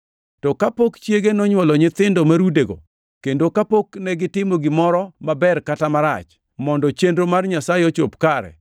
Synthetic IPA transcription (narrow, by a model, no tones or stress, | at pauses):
tɔkapokt͡ʃjeɡenɔɲwɔlɔɲɪt̪ɪndɔmaɾudeɡo̰ | kendokapoknɛɡɪtɪmoɡɪmɔɾɔmabɛrkatamaɾa̰t͡ʃ | mɔndɔt͡ʃendɾomarɲasaɪɔt͡ʃopkaɾɛ̰